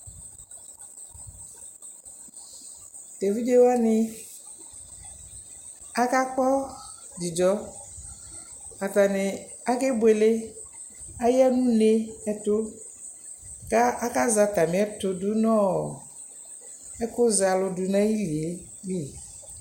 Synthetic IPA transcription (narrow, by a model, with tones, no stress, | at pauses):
d̥a˨vi˦de˨wa˦nɪ˦ | a˦ka˦k͡pɔ˦ | di˨dɔ˦ | a˨ta˨nɪ˨a˦kɪ˦bwe˨lɪ˦ | a˦ja˦nũ˦ne˦ɛ˨tʊ˦ | ka˦ʔa˦ka˦za˨ta˨mɪ̃˨˦ɛ˦tʊ˨dʊ˦nɔ̃˦˨ | ɛ˦kʊ˦za˨lʊ˦dʊ˨nã˦ji˦li˨e˨˦li˦˨